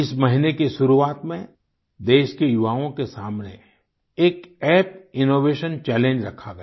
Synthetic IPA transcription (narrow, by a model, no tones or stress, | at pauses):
ɪsmɐɦɪnekeʃʊɾuaːt̪mẽ | d̪eːʃkejʊʋaːõkesaːmnḛ | eːkɛːpɪnoːʋeːʃənt͡ʃɛːlẽːɲd͡ʒɾɐkʰːaɡɐ